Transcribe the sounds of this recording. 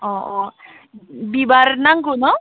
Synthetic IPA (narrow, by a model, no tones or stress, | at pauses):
ɔɔ | bibaɾnaŋɡunɔ